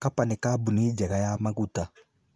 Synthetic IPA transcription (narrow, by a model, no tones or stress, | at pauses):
kapanikabunid͡ʒɛɡajamaɡuta